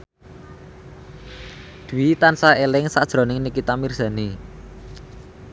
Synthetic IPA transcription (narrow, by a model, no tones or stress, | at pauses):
d̪̥uwit̪ansaelɪŋsad̥ʒ̥ɾɔ̤nɪŋnikit̪amirz̥a̤ni